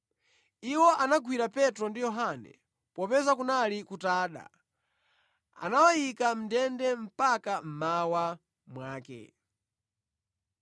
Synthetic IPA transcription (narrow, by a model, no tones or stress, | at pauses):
iwɔʔanaɡwiɾapɛtɾɔndijɔɦanɛ̰ | pɔpɛzakunalikutaːɗa̰ | a̰nawajikam̩dɛndɛm̩pakam̩mawa | mwaːkɛ̰